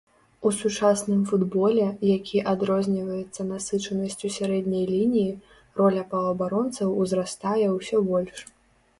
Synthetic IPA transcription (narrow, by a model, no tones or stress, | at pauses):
usut͡ʂasnɨmfud̪bɔlʲɛjakʲʰiʔad̪ɾɔzʲnʲivɐjɛt̪sːɐnasɨt͡ʂɐnɐsʲt͡sʲusʲaɾɛd̪ʲnʲɐjlʲinʲiji | rɔlʲɐpɐvɐbaɾɔnt̪sɐwwzrast̪ajɛwsʲɔbɔlʲʂ